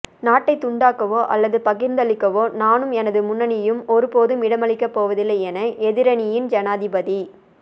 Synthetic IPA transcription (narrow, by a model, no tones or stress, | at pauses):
naːʈːɐɪt̪ʊɳɖaːkɐʋoːʔɐ̰lːɐðɯpɐɣɪɾnd̪ɐɭɪkːɐʋoːnaːnɯmɛnɐðɯmʊnːɐnɪjɯmɔɾɯpoːðɯmɪɽɐmɐɭɪkːɐpːoːʋɐðɪlːɐɛnɐʔɛðɪɾɐnɪjɪnd͡ʒɐnaːðɪbɐði